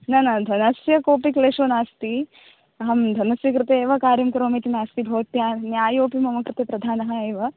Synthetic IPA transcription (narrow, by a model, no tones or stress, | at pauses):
nɐnɐd̪ʱɐnɐsjɐkoːpikleːʂɐnaːst̪i | ɐɦɐmd̪ʱɐnɐsjɐkɾɨt̪eːʋɐkaːɾjɐmkɾoːmiːt̪inaːst̪ibʱɐʋɐt̪jaːnjaːjoːpimɐmɐkɾɨt̪eːpɾɐd̪ʱaːnɐɦɐeːʋɐ